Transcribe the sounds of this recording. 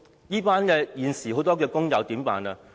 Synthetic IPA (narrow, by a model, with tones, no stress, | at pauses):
jiː˥paː˥nkɛː˧jiː˨nsiː˨˩ho˨˥wt̪ɔː˥k̬ɛː˧kʊ˥ŋjɐ˨˧wt̪iː˨˥mpa̰ː˨˧na˧